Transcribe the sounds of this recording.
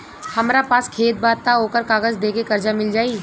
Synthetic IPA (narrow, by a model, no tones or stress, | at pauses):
hɐmɾapaːskʰeːt̪̚baːt̪aoːkəɾkaːɡəzd̪eːkekɐɾd͡ʒamɪld͡ʒaːiː